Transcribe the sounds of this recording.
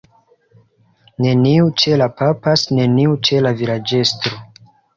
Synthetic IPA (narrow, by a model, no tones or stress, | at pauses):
ne̞niut͡ʃe̞lapapasne̞niut͡ʃe̞lavilad͡ʒe̞stɾo